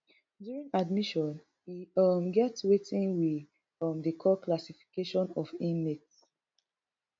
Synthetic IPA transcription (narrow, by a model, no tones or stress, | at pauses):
djuɹĩŋadmiʃɔ̃n | hiʌmɡɛtswetĩnwi | ʌmdəkʰɔklasifi̥keʃɔ̃nɔfĩnmːets